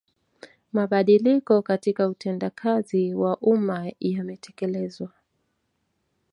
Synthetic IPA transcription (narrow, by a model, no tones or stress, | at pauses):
maɓaɗilikɔkatikautʰɛndakʰaziwaʔumajamɛtʰɛkɛlɛzwa